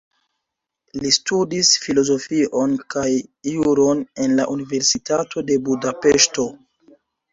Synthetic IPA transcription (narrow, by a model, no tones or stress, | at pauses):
listudisfilo̞zo̞fiʔo̞nkajːuɾo̞ne̞nlaʔunive̞ɾsitatʰo̞de̞budapeʃto̞